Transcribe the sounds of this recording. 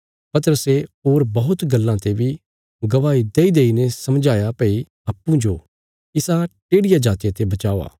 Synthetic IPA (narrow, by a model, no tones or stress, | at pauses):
pɐt̪əɾəseɦoːɾbɐɦʊt̪ɡɐlːãt̪ebi | ɡɐʋaːid̪eːid̪eːinɛsɐmd͡ʒaːjapɐi | aːpːũd͡ʒo | ɪsãʈeːɽɪjad͡ʒaːt̪ijãt̪ebɐt͡ʃaːoa̰ː